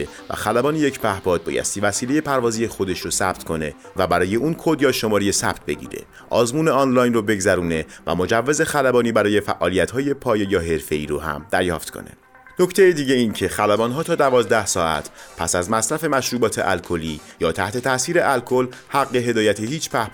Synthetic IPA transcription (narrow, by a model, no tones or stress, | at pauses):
evæ̰xælæbɒːnije̞cʰbæhbɒːd̪̚bɒ̰ːjæ̰st̪iːvæsiːle̞je̞pʰæɾvɒːzijexo̞d̪e̞ʃɾosæb̥t̪kʰo̞ne̞ | væbæɾɒːje̞ʔuːnkʰod̪jɒːʃo̞mɒːɾejesæb̥t̪̚be̞ɟḭːɾe̞̰ | ʔɒ̰ːzmuːneɒːnlɒːjnrobe̞ɡzæɾuːne̞væ̰mo̞d͡ʒævːe̞ze̞xælæbɒːniːbæɾɒːje̞fæ̰ʔɒːlijæt̪hɒːje̞pʰɒːje̞jɒːɦe̞ɾfe̞iːɾoɦæ̰md̪̥æɾjɒ̰ːft̪kʰo̰nḛ | no̞cʰt̪ʰe̞jed̪iːɟe̞iːncʰe̞xælæbɒːnɦɒːt̪ʰɒːd̪ævɒːzd̪æhsɒːʔæ̰t̪ʰpʰæsæzmæsɾæfe̞mæʃɾuːbɒːt̪ʰe̞̰ʔælkʰo̞liːjɒːt̪ʰæht̪ʰe̞t̪ʰæsiːɾeʔælkʰo̞lhæɣːe̞ɦe̞d̪ɒːjæt̪ʰehiːt͡ʃʰpʰæh